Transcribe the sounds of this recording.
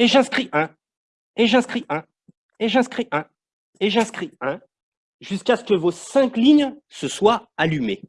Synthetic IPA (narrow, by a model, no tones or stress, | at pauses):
eʒɛ̃skχiʔɛ̃ | eʒɛ̃skχiʔɛ̃ | eʒɛ̃skχiʔɛ̃ | eʒɛ̃skχiɛ̃ | ʒyskʲaskəvosɛ̃kliɲsəswaalymḛ